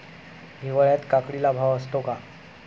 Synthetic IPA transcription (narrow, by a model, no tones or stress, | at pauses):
ɦiʋəɭjat̪kakɽilabʱaʋəst̪oka